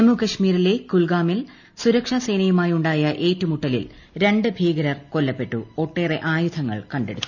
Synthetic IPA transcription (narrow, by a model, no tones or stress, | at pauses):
emukɐʂmiːɾilekulɡaːmil | suɾɐkʂasɐjnɐjumaːjuɳɖaːjɐʔe̞ːtːumuʈːɐlḭl | ɾe̞ɳɖɨbʱiːɡɐɾɐrko̞lːɐpːe̞ʈːṵo̞ʈːe̞ːreʔaːjud̪ʰʱɐŋːɐ̰ɭkɐɳɖe̞ɽut̪ːu̥